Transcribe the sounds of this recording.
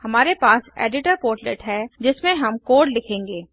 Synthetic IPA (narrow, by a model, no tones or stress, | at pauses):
hɐmaːɾepaːsḛːɖɪʈəɾpoːɾʈlḛʈɦɛːd͡ʒɪsmẽɦɐmkoːɾɖlɪkʰẽːŋɡeː